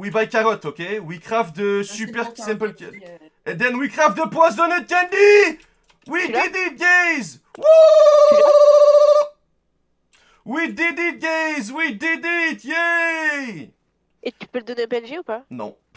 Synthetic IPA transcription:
wibajkaʁɔt̪okʲewikʁafd̪əsypɛʁkʲisɛ̃mpəlkɛ | ɛ̃nd̪ɛ̃nwikʁafd̪əpwazd̪ɔ̃nət̪̚kɛ̃nd̪i | wid̪id̪it̪̚ɡejz | wo | wid̪id̪it̪̚ɡejzwid̪id̪it̪jɛ | et̪y̥pøld̪ɔnẽbɛlʒeupanɔ̰̃

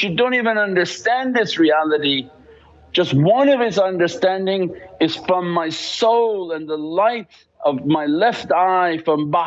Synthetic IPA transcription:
ʃɨdõʊ̃ntivɨ̃nʌ̃ndə˞stæ̃nðɪsɹiælˠəɾi̥ | ʒ̥ʌst̚wʌ̃nʌv̥ɨzʌ̃ndə˞stæ̃ndɪ̃ŋɨz̥fɹʌ̃mːaɪsoʊlˠə̃nðəlaɪɾ | ʔʌvmaɪlɛftaɪfɹʌ̃mb

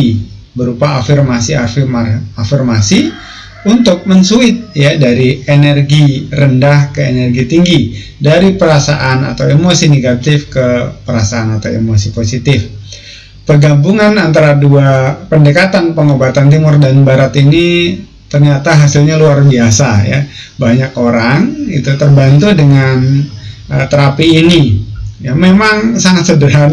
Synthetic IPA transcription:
i | bəɾupaːfirmasia | afirmasi | unt̪ʊk̚mənsuɪt̪̚jadaɾienɛrɡirəndahkəenɛrɡit̪iŋɡi | daɾipəɾasaʔana̰t̪awemosineɡat̪ɪfkəpəɾasaːnat̪awḛmosiposit̪ɪf | pərɡambuŋanant̪aɾaduapəndəkat̪anpəŋobat̪ant̪imʊrdanbaɾat̪ini | t̪ərɲat̪aɦasɪlɲaluarbiasaja̰ | baɲakoɾaŋit̪ut̪ərbant̪udəŋanət̪əɾapiːnijamemaŋsaŋat̪sədəɾa

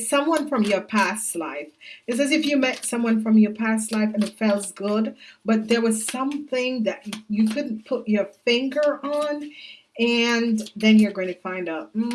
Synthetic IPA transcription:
sʌ̃mwʌ̃nfɹʌ̃mjə˞pʰæstˡlaɪfɨsɨzɨfjɨmɛtsʌ̃mwʌ̃nfɹʌ̃mjə˞pʰæstˡlaɪfɨ̃nɨtfɛlˠzɡʊd̚b̥ʌt̪̚ðə˞wʌz̥sʌ̃mθɪ̃ŋðɨt͡ʃɨkʰʊdⁿn̩pʰʊt͡ʃə˞fɪ̃ŋɡə˞ʔn | ɨ̃nðɨ̃njəə˞ɡoʊɪ̃ŋtʰɨfãɪ̃ndʌʊt̚m̩

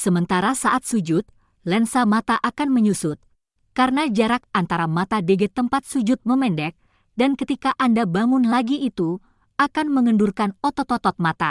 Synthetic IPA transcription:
səmənt̪aɾasaʔat̪̚sud͡ʒʊt̪̚ | lɛnsamat̪aʔakanməɲusʊt̪̚ | kaɾənad͡ʒaɾak̚ant̪aɾamat̪adeɡɛt̪ːəmpat̪̚sud͡ʒʊt̪̚məmɛndɛk̚ | dankət̪ikaʔandabaŋʊnlaɡiʔːt̪u | akanməŋəndurkanɔt̪ɔt̪ɔt̪ɔt̪̚mat̪a̰

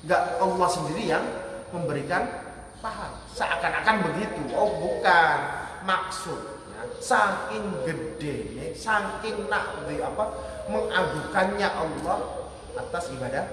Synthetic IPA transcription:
ŋɡaʔɔlːɔhsəndiɾijaŋməmbəɾikan | paɦar | saʔakanakanbəɡit̪uʔobukanmaksʊt̪̚ja̰saŋkɪŋɡədenɪsaŋkɪŋːaʔd̪iapaməŋaɡukanɲaʔɔlːɔh | at̪asibadah

